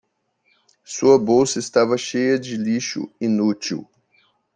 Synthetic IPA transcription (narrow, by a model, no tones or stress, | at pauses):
suɐbowsɐɪst̪avɐʃejɐd͡ʒɪliʃʊ̰inut͡ʃḭw